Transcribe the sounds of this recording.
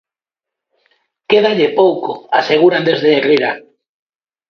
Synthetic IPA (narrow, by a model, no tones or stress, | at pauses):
keðaʎepowkoaseɣ̞uɾand̪ezðeːriɾa